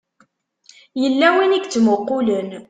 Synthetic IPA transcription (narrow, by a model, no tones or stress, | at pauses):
jəlːæwiniɡt͡sːməqːʊlən